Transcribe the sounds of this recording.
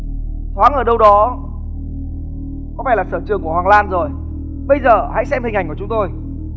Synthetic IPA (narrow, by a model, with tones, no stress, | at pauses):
t̪ʰwaː˨˦ŋʔəː˧˩ɗə˧wɗɔ˨˦ | kɔ˨˦fa˧˩laː˨˩səː˧˩t͡ɕɨ˨˩əŋku˧˩əhwaː˨˩ŋlaː˧nzo˨˩j | ɓə˧jzəː˨˩ha̰˧˥jsɛ˧mhï˨˩ʔa˨˩jŋku˧˩˨ʊ˨˦ŋ͡mt̪o˧j